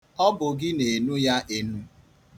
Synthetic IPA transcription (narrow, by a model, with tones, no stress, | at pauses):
ɔ˦bʊ˨ɡɪ˦ne˨nu˦ja˦ʔe˦nu˦